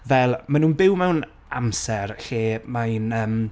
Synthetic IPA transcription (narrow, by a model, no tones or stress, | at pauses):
vɛlˠmanũːnbɪwmɛwn | a̰msɛrɬiːmajnəːm